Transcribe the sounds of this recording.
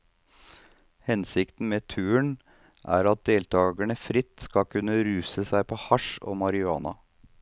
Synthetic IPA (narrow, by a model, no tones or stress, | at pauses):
hɛnsɪkt̪n̩meːt̪ʰʉːəɳ | ʔæ̰ːɾɑt̪̚d̪eːlt̪ʰɑːɡæɳəfɾɪt̪ːskɑkʰʉnːəɾʉːsəsæɪpʰoːhɑʂo̰ːmɑɾɪɑ̰ːnɑ̰